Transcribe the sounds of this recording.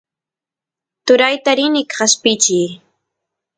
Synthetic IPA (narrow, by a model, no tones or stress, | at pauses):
t̪ʊɾajt̪aɾɪnɪkɢaspɪt͡ʃij